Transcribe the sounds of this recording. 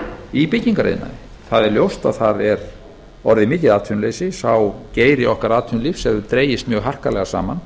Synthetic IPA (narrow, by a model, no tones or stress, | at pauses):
ipɪcːiŋkaɾḛjðɪna̰ | θaðɛɾljowst̪a̰ðθaðɛɾ | ɔɾðɪmɪːc̪ɪðaːt̪ʰʏnlejsɪsawceːjɾɪɔhkaɾaːðt̪ʰʏnlifsɛðʏt̪ɾeːjɪst̪mjœːɣɦar̥kalɛɣasa̰ːman